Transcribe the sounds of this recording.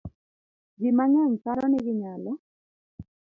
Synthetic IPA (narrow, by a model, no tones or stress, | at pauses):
ɡɪmaɲɛɲkaɾɔnɪɡɪɲalɔ